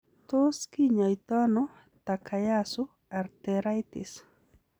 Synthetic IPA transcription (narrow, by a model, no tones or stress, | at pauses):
t̪oskiɲajt̪ano | t̪akʰajasʊ | aɾt̪eɾajt̪ɪs